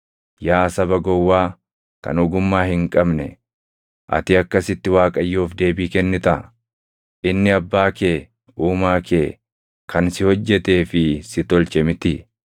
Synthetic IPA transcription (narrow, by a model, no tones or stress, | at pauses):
jaːsɐbɐɡɔwːaː | kɐ̰nɔɡʊmːaːhɪŋkʼɐbnɛ̰ | ʔɐ̰t̪ɪɐkːɐsɪt̪ːɪwaːkʼɐjːoːfd̪e̞ːbiːkɛnːɪt̪ɐ | ʔɪnːɪɐbːaːke̞ː | uːmaːkeː | kʰɐnsɪhɔd͡ʒːɛt̪e̞ːfɪsɪt̪ɔlt͡ʃɛmɪt̪ɪ